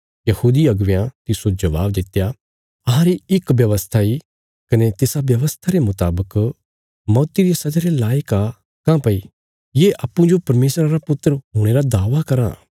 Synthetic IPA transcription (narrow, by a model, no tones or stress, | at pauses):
jɐhuːd̪iɐɡʋjãt̪ɪsod͡ʒɐʋa̰ːbd̪ɪt̪ːja | ɐɦãɾiɪkʋjɐʋəst̪ʰai | kɐnet̪ɪsaʋjɐʋəst̪ʰaɾemʊt̪a̰ːbək | mɔːt̪iɾijesɐd͡ʒaɾelaːjka | kãpɐi | jeʔaːpːũd͡ʒopɐɾmeːsɾaɾapʊt̪ːəɾɦuːɽ̃eɾad̪aːʋakɐɾã̰ː